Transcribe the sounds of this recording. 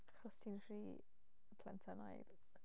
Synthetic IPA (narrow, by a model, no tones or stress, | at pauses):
χɔstʰinfriː | pʰlɛntʰana̰jð